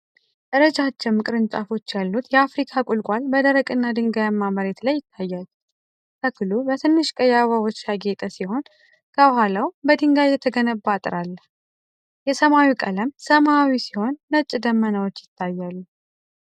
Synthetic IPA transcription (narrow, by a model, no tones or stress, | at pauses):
ʔəɾəd͡ʒat͡ʃːɛmːɨkʼɨɾɨnt͡ʃʼafo̞t͡ʃːjalːut̪jɛafɾikʰakʼulkʷʼalbəd̪əɾəkʼɨnːad̪ɨŋɡajamːaməɾet̪lajːɪt̪ʰːajːal | k̪ʰəkʰɨlubət̪ʰɨnːɨʃkʼəjaβawot͡ʃːjaɡe̞t̪ʼəsiho̞n | kʰəbəhalawbəd̪ɨŋɡajːɛt̪ʰəɡənəbːat̪ʼɾalː | jɛsəmawikʼələmsəmawisiho̞nːət͡ʃʼːd̪əmːənəwot͡ʃːjɪt̪ʰːajːalːu